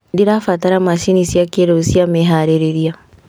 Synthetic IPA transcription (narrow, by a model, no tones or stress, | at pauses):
diɾafatɐɾamaʃinisiakeɾousiameɦaːɾeɾeɾija